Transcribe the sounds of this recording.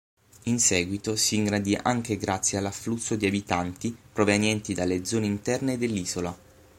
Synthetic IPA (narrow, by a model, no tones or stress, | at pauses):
insɛːɡwit̪osiːŋɡɾad̪iʔaŋk̟eɡɾat̪sːjealːafːlusːod̪iabit̪ant̪ipɾovenjɛnt̪id̪alːed̪zɔːneint̪ɛrned̪elːiːzola